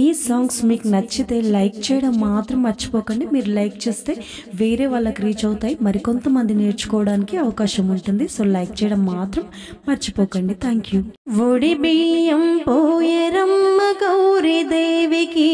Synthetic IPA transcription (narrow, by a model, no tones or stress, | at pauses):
iːsaːŋɡsmiːkunɐt͡ʃːit̪e̞ːlɐjk̚t͡ʃɛːjɐɽɐmːaːt̪ɾɐmːɐɾt͡ʃi̥pɔːkɐɳɖimiːɾulɐjkt͡ʃeːst̪e̞ː | ʋeːɾeːʋaːɭːɐkɾiːt͡ʃɐwut̪aːjimɐɾiko̞nt̪ɐmɐnd̪ine̞ːɾt͡ʃu̥kɔːʋɐɽaːnikiɐʋɐkaːʃɐmuɳʈund̪iso̞ːlɐjk̚t͡ʃɛːjɐɽɐmːaːt̪ɾɐmː | ɐɾt͡ʃi̥pɔːkɐɳɖit̪ʰaːŋkjuʋoɽibijɐmpojeɾɐmːɐɡɐwɾid̪eːʋiki